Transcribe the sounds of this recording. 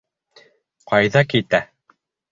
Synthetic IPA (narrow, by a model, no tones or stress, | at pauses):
qɑjðɑkit̪æ